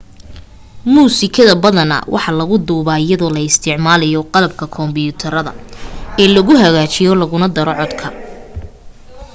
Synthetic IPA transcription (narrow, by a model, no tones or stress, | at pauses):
muːsɪkʰɐðɐbɐðɐnɐ̰wʔɑ̰ħɑlɐɣʊd̪uːβaːɪjɐðɔlɐɪst̪ʰɪʕmaːlɐjɔqɑlɐb̚kʰɐkʰɔmbɪjʊt̪ʰɐɾɐðɐ̰ɛːlɐɣʊɦɐɣaːt͡ʃɪjɔlɐɣʊnɐd̪ɐɾɔʕɔd̪kʰɐ